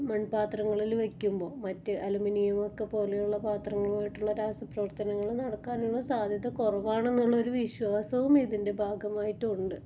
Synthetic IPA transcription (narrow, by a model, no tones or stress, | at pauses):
mɐɳpaːt̪rɐŋːɐɭilʋekʲːumbo̞ːmɐtːɨʔɐluminijɐmo̞kːe̞po̞ːle̞juɭːɐpaːt̪rɐŋːɐɭmaːjiʈːuɭːɐɾaːsɐprɐʋɐrt̪ɐnɐŋːɐɭnɐɽɐkːaːnuɭːɐsaːd̪ʱjɐðɐkurɐʋaːɳe̞nːuɭːɐo̞ɾuʋiɕwaːsɐʋumiðinde̞bʱaːɡɐmaːjitːuɳɖɨ